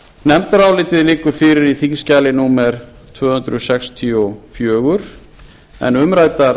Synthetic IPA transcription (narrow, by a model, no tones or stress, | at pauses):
nɛmt̪aɾaːwlɪːt̪ɪðlɪːkʏɾ̥fɪːɾɪɾiθinscaːlɪnuːmɛɾ̥ | t̪ʰvœːhʏnt̪ɾʏsɛkst̪ʰiɔfjœːɣʏɾ̥ | ɛ̰nʏmɾaːjt̪aɾ